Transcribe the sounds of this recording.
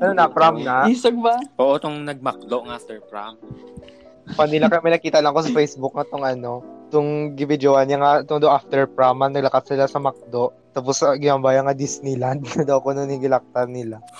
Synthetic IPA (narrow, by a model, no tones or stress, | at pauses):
ʔɐnonɐpɾamnɐisɐɡ̚bapoʔot̪oŋnɐɡ̚mɐk̚d̪oʔŋʔaft̪ɛɹpɾa̰m | pɐnɪlakɐmɛnɐkiːt̪ɐlɐŋkosɐfɛjsbuk̚ːŋɐt̪oŋʔɐno̞t̪ʊŋɡɪbɪd͡ʒ̪owanɐŋat̪oŋd̪oʔaft̪ɛɹpɹamɐnɐɡ̚lɐkassɪlasɐmɐk̚d̪o̞ʔ | t̪aposɐɡɪnambaːjɐŋɐd̪isnɪland̪̚nɐd̪ɐwɐkononɪɡɪlak̚t̪ɐnɪla